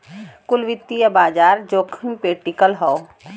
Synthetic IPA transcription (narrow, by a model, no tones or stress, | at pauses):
kʊlʋɪt̪ːijɐbaːd͡ʒaːɾd͡ʒoːkʰəmpeʈikəlɦɔo